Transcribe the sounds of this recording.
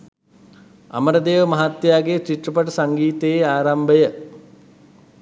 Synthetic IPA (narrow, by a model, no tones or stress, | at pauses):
a̰məɾəd̪eːʋəmɐɦat̪jaːɡet͡ʃiʈrəpaʈəsaŋɡiːt̪əeaːɾambəjə